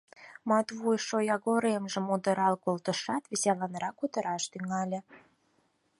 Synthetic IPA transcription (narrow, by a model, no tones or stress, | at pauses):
mɑt̪βujʃojɑɣoɾemʒə̆mud̪əɾɑlkolt̪əʃɑt̪βiselɑnɾɑkud̪ə̆ɾɑʃt̪yŋɑlʲĕ